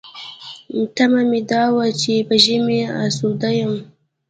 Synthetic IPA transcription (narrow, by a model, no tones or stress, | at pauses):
n̩tɐmamidaːwat͡ʃibaʒimea̰sudajam